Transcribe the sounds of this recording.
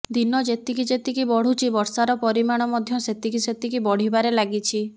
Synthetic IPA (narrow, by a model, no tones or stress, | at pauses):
d̪inɔd͡ʒet̪ikid͡ʒet̪ikibɔɽ̤ut͡ʃʰibɔɾsaɾɔpɔɾimaɽ̃ɔmɔd̪ʱjɔset̪ikiset̪ikibɔɽ̤ibaɾelaɡit͡ʃʰi